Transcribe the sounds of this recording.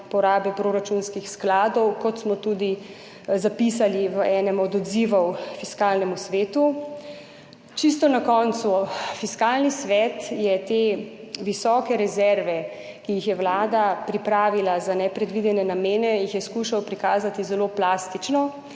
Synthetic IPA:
pɔɾaːbɛpɾoɾat͡ʃunskixsklaːd̪ɔwkɔt̪smɔt̪ud̪i | zapis̬aliʋəɛːnɛmɔd̪ɔd̪ziʋɔwfiskaːlnɛmusʋeːt̪u | t͡ʃist̪ɔnakɔnt̪sufiskaːlnisʋɛt̪jɛt̪eʋisɔːkɛɾɛzɛɾʋɛ | kijixjɛwlaːd̪apɾipɾaːʋilazanɛpɾɛd̪ʋid̪ɛnɛnameːnɛjixjɛskuʃawpɾikaːzat̪izɛloplaːst̪it͡ʃnɔ

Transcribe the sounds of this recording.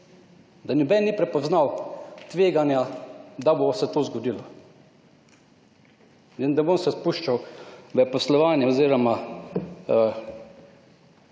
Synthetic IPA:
d̪anʲɔbɛːnnipɾɛpɔznawt̪ʋeːɡanjad̪abosɛt̪oːzɡɔd̪ilɔ | ənd̪abonsɛspuːʃt͡ʃawʋəpɔslɔʋaːnjɛɔziːɾɔma

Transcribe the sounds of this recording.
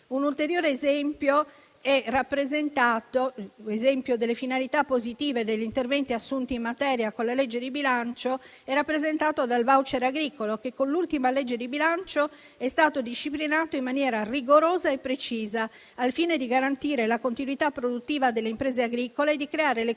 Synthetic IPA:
unult̪eɾjoːɾeːzɛmpjo | ɛrapːɾezent̪aːt̪oezɛmpjod̪elːefinalit̪apːozit̪iːved̪eʎːint̪ervɛnt̪iasːunt̪iːmmat̪ɛːɾjakõnlaled͡ʒːed̪ibilant͡ʃo | ɛrːapːɾezent̪aːt̪od̪alvawt͡ʃeɾaɡɾiːkolokekːonlult̪imaled͡ʒːed̪ibilant͡ʃo | ɛst̪aːt̪od̪iʃːiplinaːt̪oimːanjɛːɾariɡoɾoːzaepːɾet͡ʃiːzaː | lfiːned̪iɡaɾant̪iːɾelakont̪inwit̪apːɾod̪ut̪ːiːvad̪elːeimpɾeːzeaɡɾiːkoled̪ikɾeaːɾele

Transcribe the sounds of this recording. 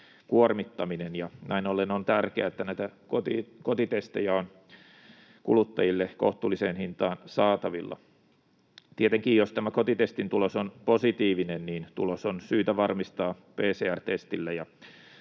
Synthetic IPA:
kuormit̪ːɑminenjɑnæinolːenont̪ærkeæet̪ːænæit̪ækot̪ikot̪it̪est̪ejæon | kṵlut̪ːɑjilːeko̰ht̪uːlːiseːnhint̪ɑːnsɑːt̪ɑʋilːɑ̰ | t̪iet̪eŋkiːjjost̪æmækot̪it̪est̪int̪ulosonposit̪iːʋinenniːnt̪ṵlosonsyːt̪æʋɑrmist̪ɑːpeːseːært̪est̪ilːæjɑ

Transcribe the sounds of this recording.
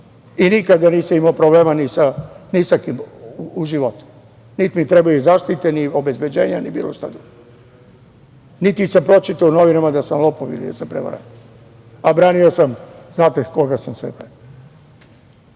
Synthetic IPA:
inikad̪aniːsamimaopɾoble̞ːmanisanisakimuʒiʋo̞t̪u̥ | nit̪mit̪ɾebajuzaʃt̪it̪eniobe̞zbe̞d͡ʑe̞ːɲanibḭːloʃt̪ad̪uɡ | nit̪isampɾo̞t͡ʃit̪auno̞ʋinamad̪asamlˠo̞poʋḭlḭd̪asapɾeʋa̰ɾa̰t̪ | abɾaːniosamznaːt̪ekoɡasamsʋḛpe

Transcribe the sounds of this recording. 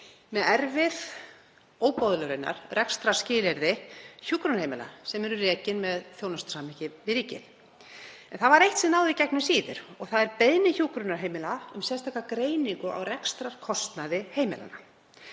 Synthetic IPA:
mɛɛɾvɪð | oːwpowðlœɾɪnːa̰ɾ̥rɛkst̪ɾascɪːlɛɾðɪçuːkɾʏnhejmɪla̰sɛmɛɾʏrɛːcɪnmɛðθjownast̪samɪcɪvɪɾiːcɪ̰n̥ | ɛnθavaɾejht̪sɛnaːwðɪcɛknʏsiːðɪ̰ɾɔɣθaðɛɾpeðnɪçuːkɾʏnaɾ̥ɦejmɪlaʏ̰msɛ̥st̪ʰaːkakɾeːjniŋkʏa̰wrɛkst̪ɾaɾ̥kʰɔst̪naðɪheːjmɪla̰na

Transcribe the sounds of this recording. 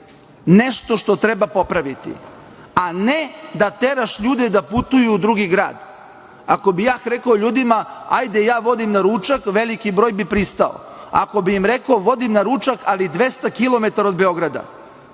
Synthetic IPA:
ne̞ʃt̪o̞ʃt̪o̞t̪ɾebapo̞pɾaʋit̪ḭ | aned̪at̪eɾaʃʎuːd̪ed̪aput̪ujuːd̪ɾuɡiɡɾa̰ːd̪ | ako̞bijaːxɾekoʎuːd̪imaa̰jd̪ejaːʋo̞d̪imnaɾuːt͡ʃakʋe̞likibɾoːjbipɾist̪ao̰ | a̰ko̞biimɾekoʋo̞d̪imnaɾuːt͡ʃakalid̪ʋe̞st̪akilˠo̞met̪aɾo̞d̪beo̞ɡɾad̪a̰

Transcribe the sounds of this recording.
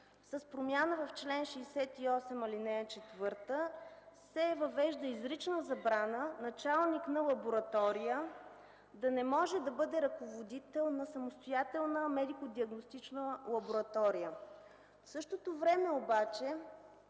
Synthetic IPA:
sɐspɾomʲjanəvɐft͡ʃlɛnʃɛisɛt̪iɔsɛmɐlinɛt͡ʃɛt̪vɤɾt̪əsɛvɐvɛʒd̪əizɾit͡ʃnəzɐbɾanənɐt͡ʃalˠniknɐlˠɐboɾɐt̪ɔɾijə | d̪ɐnɛmɔʒɛd̪ɐbɤd̪ɛɾɐkovod̪it̪ɛlˠnɐsɐmost̪ojat̪ɛlˠnəmɛd̪ikod̪iɐɡnost̪it͡ʃnəlˠɐboɾɐt̪ɔɾijə | fsɤʃt̪ot̪ovɾɛmɛobat͡ʃɛ

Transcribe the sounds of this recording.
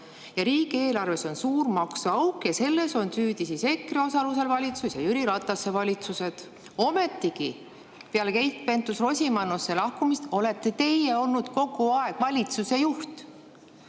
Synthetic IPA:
jɑɾiːɡ̥ie̞ːlɑrve̞so̞nsuːrmɑksuɑwkjɑse̞lːe̞so̞nsyːd̪isise̞kːrio̞sɑluse̞lvɑlʲit̪susjɑjyɾiɾɑt̪ˑːɑsːe̞vɑlʲit̪suse̞d̪̥ | o̞me̞t̪ːˑiɡi | peɑlkejt̪̚pent̪usro̞sʲimɑnːosːe̞lɑhkumist̪o̞le̞t̪ːˑe̞t̪e̞jeo̞lnud̪̥ko̞ɡ̥uɑe̞ɡ̥vɑlʲit̪suse̞juht̪

